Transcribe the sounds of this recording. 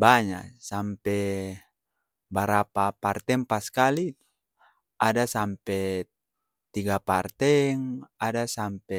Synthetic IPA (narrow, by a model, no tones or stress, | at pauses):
baɲa̰sampɛ | baɾapapart̪ɛŋpaskali | adasampɛ | t̪iɡapart̪ɛŋadasampɛ